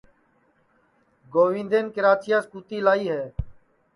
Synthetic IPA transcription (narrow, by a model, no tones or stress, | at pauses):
ɡoːʋĩːnd̪eːnkɪɾaːt͡ʃijaːskuːt̪iːlaːiːɦɛː